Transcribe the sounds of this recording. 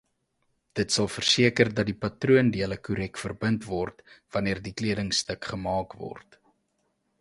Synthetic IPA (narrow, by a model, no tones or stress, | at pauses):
d̥ətsɐlˠfərsiəkərdɐt̚dipɐtruəndiələkuɾɛkfərbəntvɔrtv̥ɐniərdikliədəŋstəkχəmɑːkvɔ̰rt